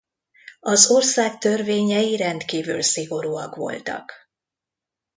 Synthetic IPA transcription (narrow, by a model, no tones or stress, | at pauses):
ɒzo̞rsaːkt̪ø̞rveːɲɛjiɾɛnt̪kiːvy̰lsiɡo̞ɾuːɒkʋo̞̰lt̪ɒ̰k